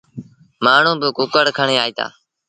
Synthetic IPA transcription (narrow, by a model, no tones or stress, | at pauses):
maːɳ̤ũːbɪkʊkəɽkʰəɳeːaːiːt̪a̰ː